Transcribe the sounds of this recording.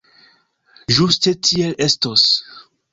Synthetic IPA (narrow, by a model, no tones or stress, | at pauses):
ʒuste̞tʰie̞le̞stos